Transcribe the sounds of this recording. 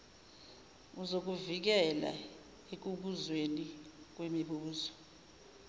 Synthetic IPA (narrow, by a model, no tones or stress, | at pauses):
uzok̬uvik̬ɛla̰ | ek̬uk̬uzwenik̬wemiɓuːzɔ̥